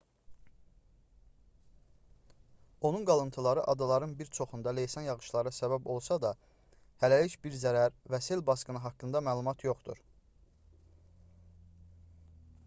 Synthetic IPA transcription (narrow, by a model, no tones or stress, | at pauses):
o̞nunɡɑlˠɯnt̪ʰɯlˠɑɾɯʔɑd̪ɑlˠɑɾɯnbiɾt͡ʃʰo̞χund̪ɑle̞jsɑnjɑɣɯʃlˠɑɾɯsæβæbo̞lˠsɑd̪ɑ | hælælicbiɾzæɾæɾvæse̞lbɑskɯnɯɦɑkːɯnd̪ɑmæːlˠumɑt̪ʰjo̞χt̪ṵɾ